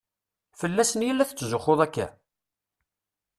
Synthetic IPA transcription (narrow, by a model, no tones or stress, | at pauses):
fəlːæsənjəlːæθət͡sːzʊχoðˤækːæ̰